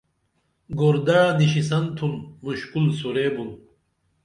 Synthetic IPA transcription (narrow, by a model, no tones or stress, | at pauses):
ɡoɾd̪aɻaniɕis̬ɐnt̪ʰumːuɕkulsuɾeːbun